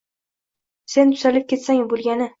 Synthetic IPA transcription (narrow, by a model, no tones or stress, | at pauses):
se̞nt̪ʰʊ̥zalɪp̚kʲʰe̞t̪saŋbolˠɡʲanɪ